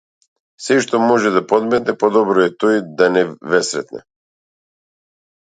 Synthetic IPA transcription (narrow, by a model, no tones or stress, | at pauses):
sɛʃt̪ɔmɔʒɛd̪apɔd̪mɛt̪nɛpɔd̪ɔbɾɔɛt̪ɔjd̪anɛvɛsɾɛt̪nɛ̰